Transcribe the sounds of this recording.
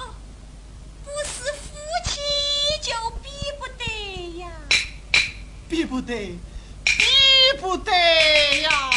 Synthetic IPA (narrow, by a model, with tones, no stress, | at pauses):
pu˧s̩˧fu˦t͡ʃʰi˧t͡ʃo˨˧pi˦pu˧t̪e˧ja˧ | pi˧pu˧t̪e˨ | pi˦pu˧t̪e˧ja˧